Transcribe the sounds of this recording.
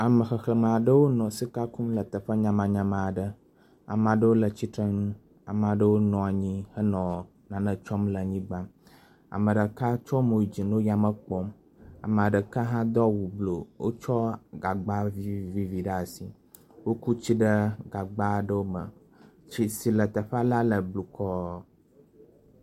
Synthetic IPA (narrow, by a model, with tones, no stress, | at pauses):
a˨mə˨xə˨xlə˨mã˨ɖə˦wo˦nɔ̃˨si˦ka˦ku˦mlə˨t̪ə˨ɸə˦ɲã˨mã˨ɲã˨mã˨ɖə˦ | a̰˨m˨ã˨ɖə˦wo˦lə˨t͡ɕi˦t̪ɾə˦nũ˦ | a˨m˨ã˨ɖə˦wo˦nɔ̃˨a˨ɲĩ˦hə˦nɔ̃˨ | nã˨nə̃˨t͡ʃɔ˦mlə˨ɲĩ˦ɡ͡ba˦ | a̰˨mə˨ɖə˨ka˦t͡ʃɔ˦mo˨i˨d͡ʑi˨nõ˦ja˨mə˦k͡pɔ˦m | a̰˨mə̃˨a˨ɖə˨ka˦ɦã˦d̪ɔ˦wu˨blo˨wo˦t͡ʃɔ˦ɡa˨ɡ͡ba˦vi˦vi˨vi˨ɖə˦a˨si˨ | wo˦ku˦t͡ɕi˦ɖə˦ɡa˨ɡ͡ba˦˨ɖə˦wo˦mə̰˨ | t͡ɕi˨si˨lə˨t̪ə˨ɸa˦la˦lə˨blu˨kʰɔ˦